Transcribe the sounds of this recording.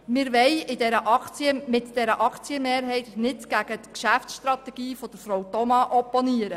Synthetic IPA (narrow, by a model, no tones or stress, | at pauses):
mɪɾʋɛjɪdɛɾəʔɑkt͡siəmɪtd̥ɛɾəʔɑkt͡siəmeːɾɦɛɪtnɪtɡ̥æɡ̥ətkʃæfsʃt̪ɾɑt̪ɛɡ̥iːfɔd̥əɾfɾowtɔmɑʔɔpːoniəɾə